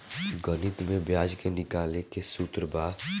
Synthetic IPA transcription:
ɡənɪt̪mẽbjaːd͡ʒkenɪkaːlekesuːt̪ɾəbaː

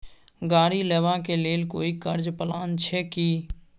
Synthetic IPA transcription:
ɡaːɽileːʋakeleːlkoːikəɾd͡ʒpəlaːnt͡ʃʰɛki

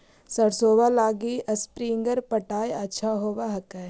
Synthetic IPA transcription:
sɐɽsoːʋalaːɡiʔɐspɾĩːŋɡəɾpəʈaːjɐtːʃʰaɦoːʋaɦɐkɛ

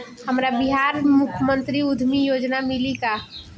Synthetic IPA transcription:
həmɾabiɦaɾmukʰjəmənt̪ɾiud̪ʱmijod͡ʒnamilika

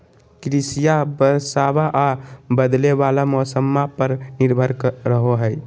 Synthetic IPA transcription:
kɾisijabəsabaʔabəd̪lebalamɔsəmːapəɾniɾbʱəɾkɾəɦoɦəj

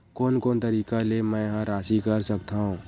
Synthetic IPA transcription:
koːnkoːnt̪ɐɾiːkalemɛ̃ːjɐɦãɾaːʃikɐɾsɐkt̪aɦũː

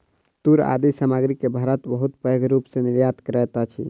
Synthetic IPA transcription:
t̪uɾa̰d̪isamaɡɾikːebʱaɾət̪bəɦut̪pəɡɾupseniɾjat̪kɾɛt̪at͡ʃʰḭ

